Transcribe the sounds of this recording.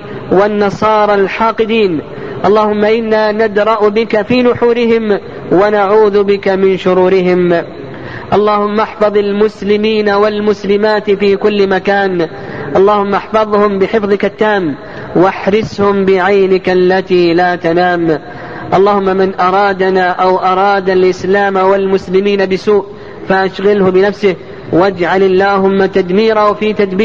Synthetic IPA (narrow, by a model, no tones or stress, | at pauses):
wanːɑsˤɑːɾˤɑlħɑːqɨd̪iːn | ʔɑlˤːɑːhʊmːaʔɪnːaːnad̪ɾˤɑʔbɪkafiːnʊħuːɾɪɦɪm | wanaʕuːðʊbɪkamɪnʃʊɾuːɾɪɦɪm | ʔɑlˤːɑːhʊmːaʔaħfɑðˤɑlmʊslɪmiːnawalmʊslɪmaːt̪fiːkʊlːmakaːn | ʔɑlˤːɑːhʊmːaʔɑħfɑðˤhʊmbɪħɪfðˤɨkat̪ːaːm | waħɾɪshʊmbɪʕajnɪklːat̪iːlaːt̪anaːm | ʔɑlˤːɑːhʊmːamɪnʔɑɾˤɑːd̪anaːʔawʔɑɾˤɑːd̪alʔɪslaːmawalmʊslɪmiːnabɪsuːʔ | faʔaʃɣɪlhʊbɪnafsɪh | wad͡ʒʕalalːaːhʊmːat̪ad̪miːɾaʊfiːt̪ad̪biː